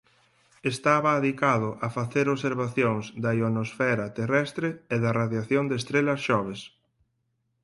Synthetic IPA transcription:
est̪aβɐːðikaðʊʔɐfaθeɾoβseɾβaθjoŋzd̪ɐionosfɛɾɐt̪erɛst̪ɾeeðɐraðjaθjoŋd̪eːst̪ɾelɐsʃɔβ̞es

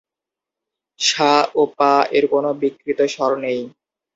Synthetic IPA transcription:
ʃaopaeɾkonobikːɾit̪oʃɔɾonej

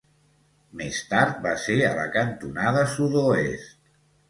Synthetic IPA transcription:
mest̪aɾt̪̚baseələ̰kənt̪unaðəsuðoest̪

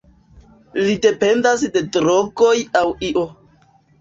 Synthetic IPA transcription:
lide̞pe̞ndasde̞dɾoɡo̞jawiʔo

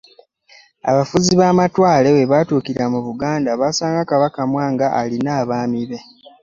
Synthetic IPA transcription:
a̰βafuziβaːmatwaːle̞we̞βaːtuːkiɾamuβuɡaːndaβaːsaːŋɡakaβakamwaːŋɡaʔalinaːβaːmiβe̞

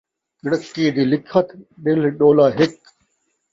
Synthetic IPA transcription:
kɪɽəkːiːd̪iːlɪkʰət̪ɗɪlɗoːlaːɦɪk

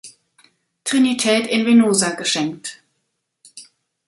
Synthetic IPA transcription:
tʁ̥ɪnitʰɛːtɪnvenoːzaɡəʃɛŋk̚t

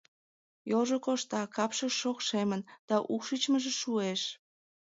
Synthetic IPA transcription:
jolʒokoʃt̪ɑkɑpʃəʃokʃemənd̪̥ɑʔukʃit͡ɕməʒeʃueʃ

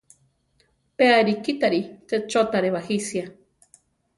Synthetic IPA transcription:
peaɾikit̪aɾit̪et͡ʃot̪aɾeβahisja

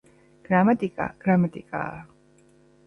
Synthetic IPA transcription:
ɡ̥ɾamat̪ʼikʼa̰ɡ̥ɾamat̪ʼikʼa̰ː

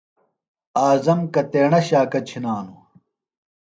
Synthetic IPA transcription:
aːzɐmkɐt̪eːɳɐɕaːkɐt͡ɕʰinaːnu

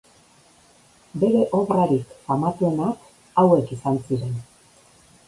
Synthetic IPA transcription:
be̞ɾe̞ʔo̞βraɾikamat̪ue̞nak | awe̞kisansiɾe̞n

